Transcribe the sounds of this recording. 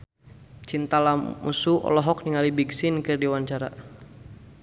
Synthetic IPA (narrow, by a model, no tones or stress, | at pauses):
t͡ʃint̪alamṵsuʔɔ̰lɔɦɔkniŋalibiɡsinkɨrdiwaɲt͡ʃaɾa̰